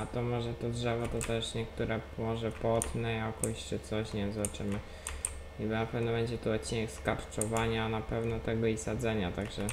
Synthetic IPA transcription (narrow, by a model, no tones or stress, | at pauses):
at̪ɔmɔʐɛt̪ɔdʐɛvɔt̪ɔt̪ɛʂɲɛkt̪uɾɛmɔʐɛpɔt̪nɛjakɔɕt͡ʂɘt̪sɔɕɲɛzat͡ʂɘmɘ | ibnapɛvnɔbɛɲd͡ʑɛt̪uɔt̪̚t͡ɕːinɛkskaɾt͡ʂɔvaɲaːnapɛvnɔt̪ɛɡɔisad̪zɛɲat̪aɡʐɛ